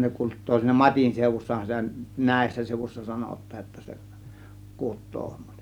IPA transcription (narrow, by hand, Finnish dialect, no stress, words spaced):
ne kutˑoː siːnæ mɑtʲin seˑuʋusːɑhɑn sitæ næˑe̝sːæ seˑŭʋusʲsɑ sɑnotˑɑːj jotːɑ se kutˑoː